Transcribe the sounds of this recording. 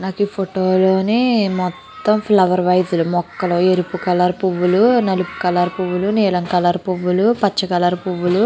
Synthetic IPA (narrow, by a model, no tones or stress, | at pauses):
naːkipʰoʈoːloːnimɔt̪ːɐmpʰlɐʋɐɾʋɐjɐd̪ulumɔkːɐloːeɾupukɐlaːɾpuʋːulunɐlupu̥kɐlaːɾpuʋːuluniːlɐŋkɐlaːɾpuʋːulupɐt͡ʃːɐkɐlaːɾpuʋːulu